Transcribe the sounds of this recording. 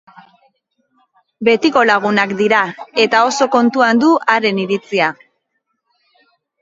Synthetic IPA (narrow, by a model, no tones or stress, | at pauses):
be̞t̪iko̞laɣ̞unakd̪iɾae̞t̪ao̞so̞ko̞nt̪uand̪uaɾe̞niɾit͡sia